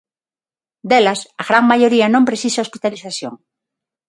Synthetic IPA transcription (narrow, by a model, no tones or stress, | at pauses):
d̪elasaɣɾaŋmajoɾiɐnõmpɾesisaospit̪aliθaθjo̰ŋ